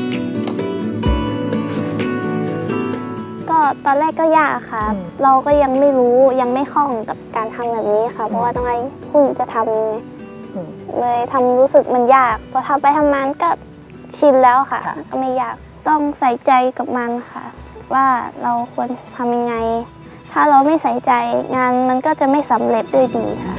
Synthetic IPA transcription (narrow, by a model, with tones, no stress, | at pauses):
kɔː˧˥˩t̪ɔː˧nlɛː˥˩kːɔː˥˩jaː˧˩k̚kʰːa˧˩ɾa˧wkɔː˥˩ja˧ŋma˥˩jɾuː˦˥ja˧ŋma˥˩jxʰɔ˧˩˨ŋka˨˩p̚kaː˨˩nt̪ʰa˧mbɛː˨˩p̚niː˦˥˧xʰa˧˩pʰɔ˧waː˧t̪ʰɔː˧ŋma˧˩jkʰu˧˥˩nt͡ɕa˧˦t̪ʰa˧m˧ŋa˧˩j | lɤː˧jt̪ʰa˧mɾuː˦˥sɯ˨˩k̚ma˧njaː˥˩k̚pʰɔː˧˥t̪ʰaː˧˩pa˧jt̪ʰa˧mŋaː˧nkɔː˥˩ | t͡ɕʰi˧nlɛː˦˥wkʰa̰ː˧˩ɔː˥˩ma˥˩jaː˧˥˩k̚t̪ɔ˥˩ŋsa˨˩˦jt͡ɕa˧jka˨˩p̚ma˧nkʰa̰˧˩waː˧˥˩ɾa˧wkʰu˧ənt̪ʰa˧mja˧ŋa˧j | t̪ʰaː˥˩ɾa˧wma˥˩jsa˩˦jt͡ɕa˧jŋaː˧nma˧nkɔː˥˩t͡ɕa˨˩ma˥˩jsa˨˩˦mle˧˩p̪̚du˥˩ə˨jdiː˨˩xʰa˧˩